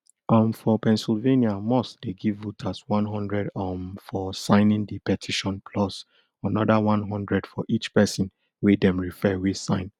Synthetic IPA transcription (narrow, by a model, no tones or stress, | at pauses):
ɔ̃mfɔpɛ̃nsilveniamɔstdeɡivːutʰaswãnɦɔ̃ndɹɛdɔmfɔsãɪnĩndipɛtʰiʃɔ̃npʰlɔs | anɔdawãnɦɔ̃ndɹɛdfɔʔit͡ʃpɛsĩn | wedɛ̃mɹifɛwi̥sãɪ̃n